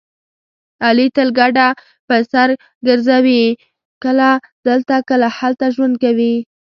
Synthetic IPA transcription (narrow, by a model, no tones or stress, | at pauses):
ɑlit̪əlɡaɖa | pəsaɾ | ɡəɾzawi | kəla | d̪əlt̪akəlahalt̪aʒwand̪̚kawi